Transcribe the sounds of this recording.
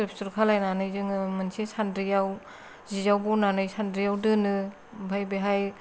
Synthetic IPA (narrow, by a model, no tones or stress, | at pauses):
ɾpʰsuɾkʰalajnanɯjzɯŋɯmɯnsesandɾijaw | zizawbɔnanɯjsandɾijawdɯnɯ | bʱajbeɦaj